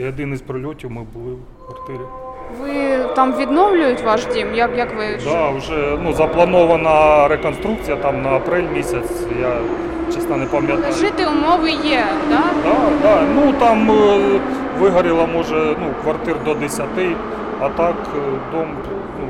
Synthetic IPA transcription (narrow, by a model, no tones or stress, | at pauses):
ɐd̪ɪnɪsʲpɾɔlʲɔtʲiwmɪbʊlˠɪw | kʋɐrt̪ɪɾʲɪ | ʋɪt̪ɑmʋʲid̪nɔwlʲʊjʊtʲʋɑʃdʲimjɐkjɐkʋɪd̪ɑʊʒɛnuzɐplˠɐnɔʋɐnɐɾekɔnst̪ɾuk̚t͡sʲijɐt̪ɑmnɐɐpɾɛlʲmʲisʲɐt͡sʲ | ja | t͡ʃɛsnɐnɛpɐmʲjɐt̪aʒɪt̪ɪʊmɔʋɪjɛd̪ad̪ad̪ɑnut̪ɑm | ʋɪɦɐɾʲɪlˠɐmɔʒɛnukʋɐrt̪ɪrd̪ɔd̪esʲɐt̪ɪ | ɐt̪ɑkd̪ɔm | nu